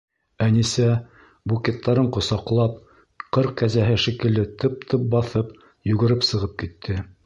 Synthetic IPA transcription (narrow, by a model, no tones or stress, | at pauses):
ænisæ | bukʲet̪ːɑɾɤɴqŏsɑqlˠɑp̚ | qɤɾq̚kæzæɦɘʃikɘ̆ld̪ɘt̪ʰɤp̚t̪ʰɤp̚bɑθɤp | jʉ̆ɡɘ̆ɾɘpsɤ̆ʁɤp̚kit̪ʰːɘ